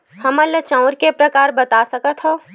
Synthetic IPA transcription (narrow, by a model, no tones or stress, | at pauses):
hɐmɐlːət͡ʃãʊɾkepɾɐkaːɾbɐt̪asɐkət̪hɦo